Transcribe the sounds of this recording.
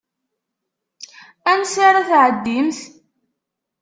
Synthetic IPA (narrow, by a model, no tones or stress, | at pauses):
ænsaɾaθʕəd̪ːimθ